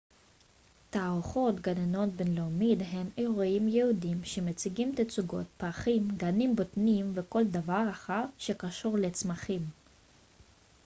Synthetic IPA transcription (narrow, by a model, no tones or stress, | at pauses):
taʁuχo̞t̪ɡaneno̞t̚benlomid̪ɦe̞meʁuimjehudimʃemet͡siɡimt̪at͡suɡo̞̰t̪̚paχimɡanimbotnimveko̞ld̪avaʁaχaʁʃekaʃuʁlet͡smaχim